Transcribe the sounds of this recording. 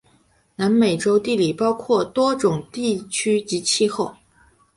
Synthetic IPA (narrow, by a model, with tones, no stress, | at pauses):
na˧˥nme˨˩ɪʈ͡ʂo˥ʊt̪i˥˩li˨˩pɑ˥ʊkʰwɔ˥˩t̪wɔ˥ʈ͡ʂʊ˨˩ŋt̪i˥˩t͡ɕʰy˥t͡ɕi˧˥t͡ɕʰi˥˧xo˥˩ʊ